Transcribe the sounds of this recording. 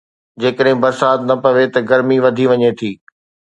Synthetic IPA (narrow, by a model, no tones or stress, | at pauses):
d͡ʑeːkəɗɦɪ̃bɐɾsaːt̪̚nɐpɐʋet̪ɐɡɐɾmiʋɐd̪ʱiʋɐɲet̪ʰiː